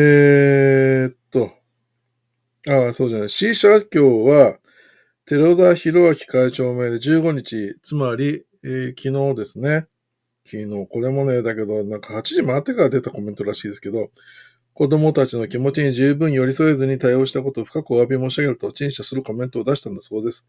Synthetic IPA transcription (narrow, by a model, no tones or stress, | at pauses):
e | t̪ːo̞ | aso̞ːd͡ʑanaiɕiɕakʲo̞ːβa | t̪e̞ɾo̞d̪açiɾo̞βakʲi̥kait͡ɕo̞ːme̞ːd̪e̞ʑɨːɡo̞ɲ̟it͡ɕit͡sɨmaɾʲi | kʲino̞ːd̪e̞sɨne̞ | kʲʰino̞ːko̞ɾe̞mo̞ne̞ːd̪ake̞d̪o̞nãŋkahat͡ɕiʑimaːt̪ːe̞kaɾad̪e̞t̪ako̞mẽ̞nt̪oɾaɕiːd̪e̞sɨ̥ke̞d̪o̞ | ko̞d̪o̞mo̞t̪at͡ɕino̞kʲimo̞t͡ɕiɲ̟id͡ʑɨːbɯ̟̃ɰ̃jo̞ɾʲiso̞e̞zɨɲ̟it̪aio̞ɕi̥t̪ako̞t̪o̞ːɸɯ̟̥kakɯoβabʲimo̞ːɕiaɡʲe̞ɾɯ̟t̪o̞t͡ɕĩɰ̃ɕasɨɾɯ̟ko̞mẽ̞nt̪o̞ːd̪aɕi̥t̪ãnd̪aso̞ːd̪e̞sɨ̥